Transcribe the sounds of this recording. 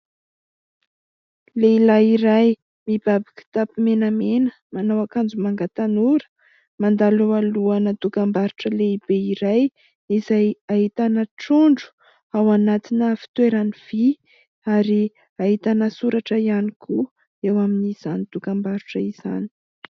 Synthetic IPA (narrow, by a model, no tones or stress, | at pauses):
leilaiɾaj | mib̥abaki̥t̪apimenamenə | manawakand͡zumaŋɡat̪anuɾə̥ | mand̪aloaluanət̪ukambaɾuʈ͡ʂəleib̥eiɾaj | izaaɦit̪anəʈ͡ʂuɳɖ͡ʐu̥ | awanat̪inəfi̥t̪weɾaniv̥i | aɾi | aɦit̪anəsuɾaʈ͡ʂəianikʰu | ewaminiz̥anit̪ukambaɾuʈ͡ʂəiz̥a̰ni̥